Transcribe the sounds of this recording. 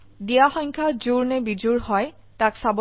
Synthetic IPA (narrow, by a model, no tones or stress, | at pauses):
dijaxɔŋkʰazuɹnɛbid͡ʒuɹhɔj | taksab